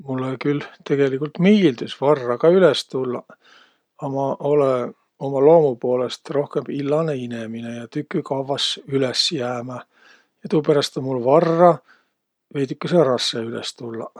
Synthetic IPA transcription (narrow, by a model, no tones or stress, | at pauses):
mulːekylt̪e̞ɡ̥e̞likːult̪miːld̪ysvɑrːɑkɑylest̪ulːɑ | ɑmɑʔo̞le | o̞mɑlo̞ːmupo̞ːle̞st̪ro̞hkemb̥ilːɑneine̞mine̞jɑt̪ykːˑykɑvɑsylesjæːmæ | jɑt̪uːpeɾɑst̪onmulvɑrːɑ | vejt̪ykːeserɑsːeylḛst̪ulːɑ̰